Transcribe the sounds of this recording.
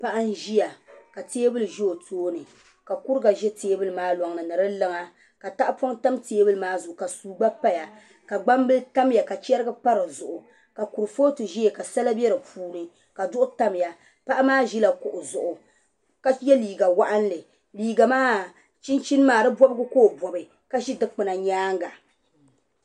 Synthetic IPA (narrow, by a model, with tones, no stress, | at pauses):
pa˦ʔa˦n˦ʒi˦ja˨ka˨teː˦bɨ˦lɨ˨ʒɛ˦o˨tʰoː˦nɨ˨ | ka˨ku˦ɾɡa˨ʒɛ˦teː˦bɨ˦lɨ˨maː˦lɔ˨ŋnɨ˨nɨ˨ɾɨ˦lɨ˦ŋa˦ | ka˨ta˦ʔa˦pɔ˦ŋta˦mteː˦bɨ˦lɨ˦maː˦zʊ˨ʔʊ˨ka˨suː˨ɡ͡ba˦pa˦ja˨ | ka˨ɡ͡ba˦mbɨ˦lta˦m˦ja˨ka˨t͡ʃɛ˦ɾɨ˦ɡɨ˦pa˦ɾɨ˨zʊ˨ʔʊ˨ | ka˨ku˨ɾɨ˨fo˦tɨ˨ʒi˦je˨ka˨sa˦la˦bɛ˦ɾɨ˨puː˦nɨ˨ | ka˨dʊ˦ʔʊ˦ta˦mja˨ | pa˦ʔa˦maː˦ʒi˦la˨kʊ˨ʔʊ˨zʊ˨ʔʊ˨ | ka˦jɛ˦liː˨ɡa˨wa˦ʔa˦n˦lɨ˨ | liː˨ɡa˨maː˦ | t͡ʃi˦nt͡ʃi˦n˦maː˨dɨ˦bɔ˦bɨ˦ɡɨ˦koː˦bɔ˨bɨ˨ | ka˦ʒi˦dɨ˦k͡pɨ˨na˨ɲaː˦ŋ˦ɡa˨